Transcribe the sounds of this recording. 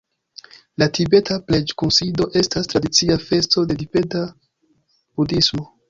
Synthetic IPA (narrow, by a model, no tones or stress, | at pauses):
latʰibe̞tapled͡ʒkunsido̞ʔe̞stastɾadit͡siafe̞sto̞de̞dibe̞ta | b̥udismo̞